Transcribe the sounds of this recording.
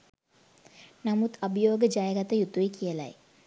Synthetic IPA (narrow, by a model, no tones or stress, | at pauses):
namut̪abəjoːɡəd͡ʒajəɡat̪əjut̪uikijəla̰j